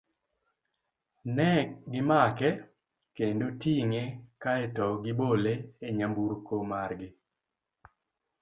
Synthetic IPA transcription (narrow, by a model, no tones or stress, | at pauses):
nɛɡɪmakɛ | kendotiŋekaɛtɔɡɪboleeɲambuɾkomarɡɪ